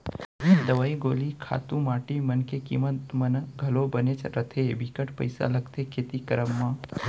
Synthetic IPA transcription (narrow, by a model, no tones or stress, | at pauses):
d̪əʋaiɡolikʰa̰t̪ũmaʈimənkekḭmət̪mənɡʱəlobənet͡ʃɾət̪ʰebikəʈpəjsa̰ləkt̪ekʰet̪ikəɾəmːã